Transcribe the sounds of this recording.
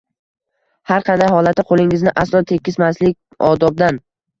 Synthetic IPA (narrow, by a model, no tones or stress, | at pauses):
haɾqʰɑnd̪ajɦɒlat̪ɪqʰolˠɪŋɪznɪʔaslˠɒnt̪ʰe̞kʲːɪsmaslɪkʲ | ɒd̪ɒb̚d̪an